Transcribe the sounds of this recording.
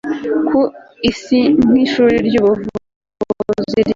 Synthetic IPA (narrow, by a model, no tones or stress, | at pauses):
kʰuisimŋiːʃuːɾiɾɟuːβuvu | ziɾ